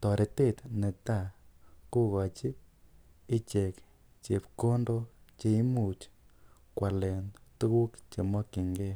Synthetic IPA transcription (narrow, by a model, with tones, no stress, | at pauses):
t̪ɔ˨ɾe˨t̪e˦˨t̪ne˨t̪a˦˨ku˦ɣa˨t͡ʃi˦ | i˦t͡ʃe˨k | t͡ʃe˨pko˦ndo˦t͡ʃe˧˦i˦mu˨t͡ʃ | kwa˨le˨ntu˦ɣu˦kt͡ʃe˨mɔ˦ki˨ŋɡe˦